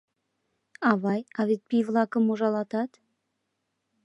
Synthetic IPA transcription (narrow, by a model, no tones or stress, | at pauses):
ɑvɑjɑvet̪̚pivlˠɑkəmoʒɑlˠɑt̪ɑt̪